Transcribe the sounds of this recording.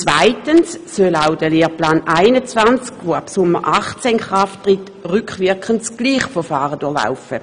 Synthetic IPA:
t͡svaɪtənsːølawd̥əleːɐplaːnaɪnət͡svant͡skʋoapsʊmːəʁʔaχt͡senχʁaftʁɪt | ʁʏkχvɪɐkχənsɡ̥liːχfɔfaːʁəduːɐla̰ʊfə

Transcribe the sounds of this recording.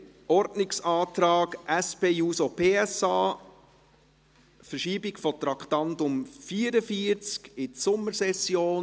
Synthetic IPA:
ɔɾdnɪksɑːtɾɑːɡʔæspeːjuːsopʰeːɛsɑː | fəɾʃiːbɪkfɔt̪ɾɑkt̪ɑntʊmfiːəɾəfiəɾt͡skɪsʊmːəɾsɛsjoːn

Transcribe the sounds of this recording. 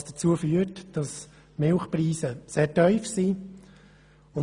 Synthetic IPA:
sd̥ət͡suəfyːətd̥ɑs | mɪlχpriːsəseːtœʏfsiː | ʊn

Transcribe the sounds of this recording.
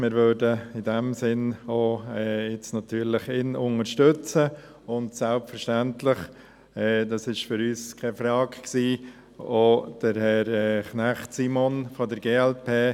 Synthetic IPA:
mɪːɾʋødəɪdɛmsɪnoːɛːjɪt͡snɑt̪yːɾlɪχɪnʊnəɾʃtøt͡sə | ʊntsɛlpfəɾʃtæntlɪχ | ɛːdɑsɪʃfʏɾyːskʰɛfɾɑːkksiː | od̥əɾhɛɾɛːχnæχtsiːmonfɔdəɾɡeːɛlpʰeː

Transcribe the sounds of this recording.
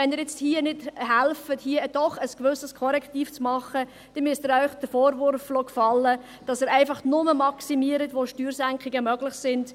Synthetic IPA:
ɛnəːɾjɛt͡sthiənɪd̥hælfəthiəd̥ɔχəskvʏsːəskʰɔɾɛkχtiːft͡smɑχə | d̥ɛnmyəstəɾœʏχd̥əfoːɾvʊɾflokfɑlːə | d̥ɑsəːɾæɪfɑχnʊməmɑksimiəɾətʋoːʃtyːɾsæŋkχɪɡəmœɡlɪχsɪnd̥

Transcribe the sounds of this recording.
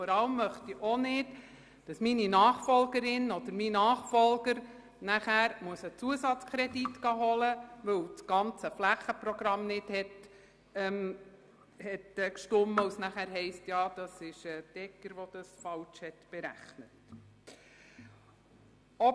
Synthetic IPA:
fɔɾɑləmːœχtiʔonɪt | d̥ɑsmininɑːχfɔlɡəɾɪnɔd̥̪əɾminɑːχfɔlɡ̥əɾ | næχæːɾmuəsət͡suəsɑt͡skʰɾɛditɡ̥ɑɦɔləʋɵwt͡sɡ̥ɑnt͡səflæχəpɾɔɡɾɑmnɪd̥hɛt | ɛm | hɛtːkʃtʊmːəusnæχæːɾɦɛɪstjɑːd̥ɑsɪʃəd̥ɛkːəɾʋoɔd̥ɑsfɑwt͡ʃhɛtb̥eɾæ̰χnət | ɔ

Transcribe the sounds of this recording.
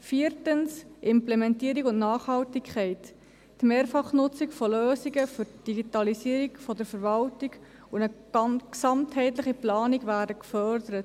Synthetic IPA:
fiːɾtənsʔɪmplɛmɛntiəɾikʊntnɑːχhɑltikʰχɛɪt | tmeːɾfɑχnʊt͡sikfɔløːsiɡəfʏɾd̥iɡitɑlisiːəɾikfɔdəɾfəɾvɑltiɡ | ʊə̥ | ɑksɑmthɛɪtləχiplɑːniɡvæːɾdəkfœɾdəɾət

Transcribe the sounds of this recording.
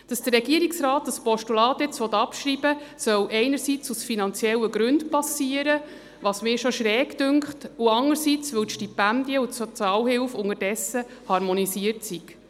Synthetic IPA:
d̥ɑsd̥ərɾɛɡiəɾiksraːtɑspɔʃtulɑːt̪jɛt͡sʋɔt̪ːɑpʃɾibəsœwʔɛɪnəɾsit͡susfinɑnt͡sjɛlːəɡɾʉntpɑsiəɾə | ʋɑːsmɪːʃɔʃɾɛːkd̥ʏŋkχtuɑŋəɾsit͡sʋɵwtʃtipændiəutsɔt͡sɑːlhɪlfʊŋəɾdɛsəhɑɾmɔnisiəɾtsik

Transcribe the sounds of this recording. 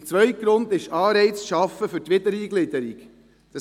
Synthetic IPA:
t͡sʋœʏtɡɾʊnd̪ɪʃɑːɾɛɪt͡sʃɑfːəfʏtʋɪd̪əɾiːɡlɪd̪əɾik | d̥ɑ

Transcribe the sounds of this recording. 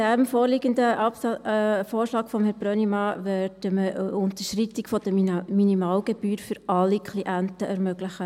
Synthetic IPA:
d̥æmfoːɾliɡəndəʔ | foːrʃlɑːkfɔmhɛb̥ɾœnimɑːʋæɾd̥əməʔʊnt̪əʃritikfɔd̥̪əminimɑːlɡ̥eb̥yːɾfʏɾɑlːikχliʔæntəʔɛɾmœɡ̥ləχə

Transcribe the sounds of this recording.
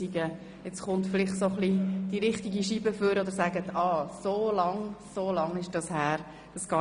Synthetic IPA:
iɡə | ɛt͡sχʊnt̪fɪlɪχsoχlid̥iɾɪχtiɡiʃibəføɾɔd̪əɾsæɡətʰɑːsoːlɑŋsoːlɑŋɪʃd̥ɑshæːɾ | d̥ɑsɡ̥ɑː

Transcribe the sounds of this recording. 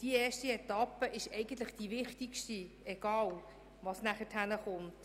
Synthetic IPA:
d̥iɛːʃtiɛtɑpəʔɪʃɛɪɡən̩t̪̬lɪχd̥iʋɪχtikʃti | ɛɡ̥ɑːl | ʋɑsnæχəthænəχʊnt

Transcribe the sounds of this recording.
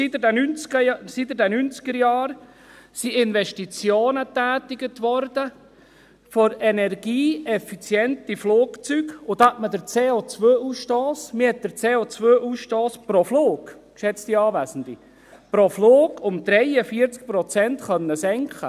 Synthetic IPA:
sitdɛnynt͡skəsit̪ədænynt͡skəɾjɑːɾ | siɪnʋɛʃtit͡sjoːnət̪æːt̪ɪɡətʋɔɾd̪ə | fɔɾɛnɛɾɡ̥iːɛfit͡sjɛntifloːkt͡syɡʊd̪atməd̪əɾt͡seːot͡sʋøːusʃtoːsmɪhɛt̪̚d̪əɾt͡seːot͡sʋøːʔusʃtoːspɾɔfloːɡkʃɛt͡st̪iɑːʋæsən̩d̥̪i | pɾofloːɡʊmd̪ɾɛjəfiːəɾt͡sk̚pɾɔt͡sɛntχœnːəsɛŋkχə

